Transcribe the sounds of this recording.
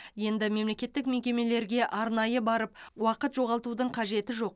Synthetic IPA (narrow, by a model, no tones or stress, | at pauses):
je̞nd̪ɪme̞mle̞kʲe̞t̪ːɪkmekʲe̞me̞le̞ɾɡʲe̞ʔɑɾn̪ɑjəbɑɾəp̚wɑqət̪ʒo̞ʁɑlˠt̪ud̪əɴqʰɑʒe̞t̪ɪʒo̞q̚